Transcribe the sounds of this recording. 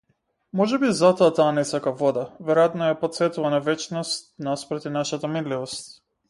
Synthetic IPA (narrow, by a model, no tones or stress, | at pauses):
mɔʒɛbizat̪ɔat̪aːnɛsakavɔd̪avɛɾojat̪nɔjapɔt̪sɛt̪uvanavɛt͡ʃnɔst̪naspɾɛt̪inaʃat̪amid̪livɔst̪